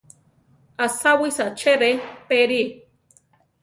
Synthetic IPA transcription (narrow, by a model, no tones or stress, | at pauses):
asawisat͡ʃeɾepeɾi